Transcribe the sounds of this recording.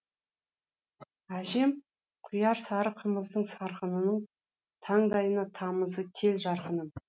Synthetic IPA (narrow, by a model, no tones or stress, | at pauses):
æʒe̞m | qʰʊjɑɾsɑɾəqʰəməzd̪əɴsɑɾqənənəɴ | t̪ʰɑɴd̪ɑjənɑt̪ʰɑməzəkʲʰe̞lʒɑɾqənən